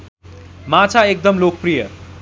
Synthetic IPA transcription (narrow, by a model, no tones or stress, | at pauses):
mat͡sʰaek̚d̪ʌmlok̚prijʌ